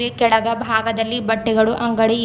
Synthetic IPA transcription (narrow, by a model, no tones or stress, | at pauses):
ekɛɽɐɡɐbʱaːɡɐd̪ɐlːibɐʈːiɡɐɭuʔɐŋɡɐɽi